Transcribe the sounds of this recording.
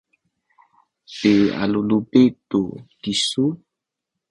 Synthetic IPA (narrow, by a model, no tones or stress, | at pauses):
pea̰lolobetokisu